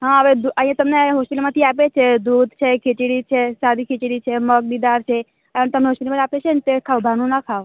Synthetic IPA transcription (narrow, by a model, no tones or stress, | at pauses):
ɦãəʋed̪uə̃ɦĩjãt̪əmneɦɔspilmãt̪ʰiap̬et͡ʃʰed̪ud̪ʱt͡ʃʰekʰit͡ʃiɽit͡ʃʰesaɾikʰit͡ʃiɽit͡ʃʰeməɡ̚nid̪aɾt͡ʃʰe | ənt̪əmneɦɔspiʈlmãnapet͡ʃʰenet̪ekʰaʋbʱanũnakʰaʋ